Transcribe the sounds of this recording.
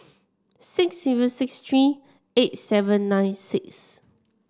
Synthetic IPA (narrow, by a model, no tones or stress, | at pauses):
sɪksːivə̃nsɪkst̪ɹi | et̚sɛvə̃nːãjnsɪks